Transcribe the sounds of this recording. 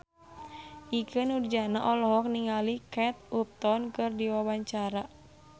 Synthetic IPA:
ʔikɨnurd͡ʒanaʔɔlɔɦɔk̚niŋalikɛt̪̚up̚t̪ɔnkɨrdiwawaɲt͡ʃaɾa

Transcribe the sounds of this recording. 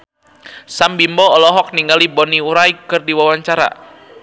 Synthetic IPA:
sambimbɔːlɔɦɔk̚niŋɡalibɔniuɾaikɨrdiwawaɲt͡ʃaɾa̰

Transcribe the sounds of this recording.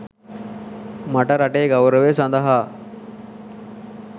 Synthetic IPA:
maʈəɾaʈeːɡawɾəʋesand̪əɦaː

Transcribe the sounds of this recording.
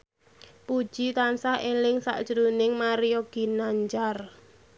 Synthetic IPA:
pud̥ʒ̥i̤t̪ansahelɪŋsa̰ʔd̥ʒ̥ɾunɪŋmaɾioɡ̥i̤naɲd͡ʒar

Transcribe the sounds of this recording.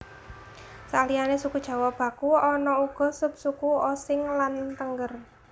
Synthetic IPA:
salijanesukud̥ʒ̥ä̤wab̥a̤kuɔnɔuɡ̥ɔ̤sʊp̚sukuosɪŋlant̪əŋɡər

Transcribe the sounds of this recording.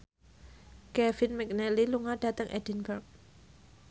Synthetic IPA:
kɛfɪnmɛk̚nɛliluŋaɖ̥at̪əŋʔɛdinbərk̚

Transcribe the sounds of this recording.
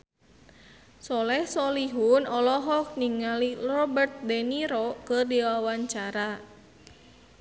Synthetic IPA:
sɔlɛhsɔliɦunɔlɔɦɔk̚niŋalirɔbərt̪̚dɛniɾɔkərdiwawaɲt͡ʃaɾa

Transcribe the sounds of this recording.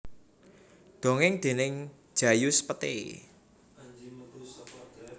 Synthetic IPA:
d̪̥o̤ŋɪŋd̪̥e̤nɪŋ̥ | ʒ̥ä̤juspət̪ḛ

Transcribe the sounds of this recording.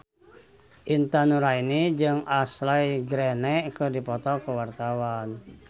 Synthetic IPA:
ʔint̪anuɾainid͡ʒɨŋaslaiɡɾɛnɛʔkərdipɔt̪ɔkəwart̪awan

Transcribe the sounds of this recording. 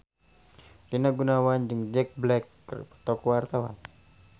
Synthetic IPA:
rinaɡunawand͡ʒɨŋd͡ʒɛk̚blɛkːə̰rpə̥t̪ɔkɔwart̪awa̰n

